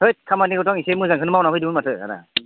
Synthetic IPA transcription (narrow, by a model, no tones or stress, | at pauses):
tɯjt̚kʰamaniɡɔtɔŋisemɯzaŋkʰɯnmawnapʰɯjdimɯnmatʰɯa̰na̰